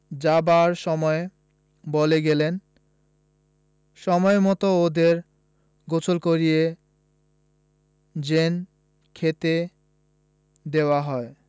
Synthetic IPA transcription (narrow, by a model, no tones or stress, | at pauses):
d͡ʑabaɾʃɔmɔe | boleɡelen | ʃɔmɔemɔt̪ood̪eɾ | ɡot͡ɕʰolkoɾije | d͡ʑen | kʰet̪e | d̪eoaɦɔe